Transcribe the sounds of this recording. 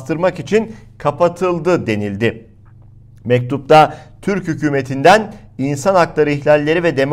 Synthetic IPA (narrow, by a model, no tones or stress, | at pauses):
t̪ʰɯɾmakit͡ʃʰinkʰapat̪ʰɯlˠd̪ɯd̪e̞nilʲd̪ɪ | mɛc̚t̪ʰup̚t̪ʰat̪ʰyɾchycyːme̞t̪ʰind̪æninsanaklˠaɾɯiçlʲalʲːe̞ɾivɛd̪e̞m